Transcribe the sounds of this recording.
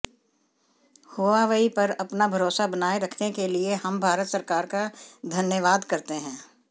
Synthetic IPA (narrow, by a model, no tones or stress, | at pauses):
hoːʋaʋəipɐɾɐpnabʱɐɾoːsabɐnaːeɾɐkʰnekeliehɐmbʱaːɾət̪sɐɾkaːɾkad̪ʱɐnjəʋaːd̪kɐɾt̪eɦɛ̃ː